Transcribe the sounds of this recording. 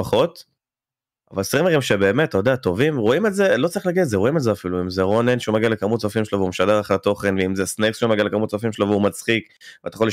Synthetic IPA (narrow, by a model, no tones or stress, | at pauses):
aχo̞t̪ | a̰valsʁimeʁimʃe̞be̞ːmetːajod̪eat̪o̞vimʁoimetze̞lo̞t͡saʁiχlaɡiazeʁoimetzeafiluimzeʁo̞nenʃeumaɡialekamut̚t͡sofimʃelovumeʃadeʁaχlat̪o̞χe̞nveimzesneksumaɡialekamut̪̚t͡sofimʃeloveumat͡sχik | vat̪ajaoli